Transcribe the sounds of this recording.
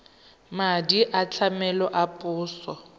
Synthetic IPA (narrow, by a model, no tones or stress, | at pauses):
madiʔat͡ɬʰamɛlɔʔapʼʊːsɔ